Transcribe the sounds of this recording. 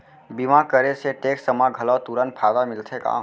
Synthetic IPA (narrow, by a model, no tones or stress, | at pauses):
bimakəɾeseʈeːksəmaɡʱɐlɔːt̪uɾən̚pʰaːd̪amɪlt̪ʰekã̰ː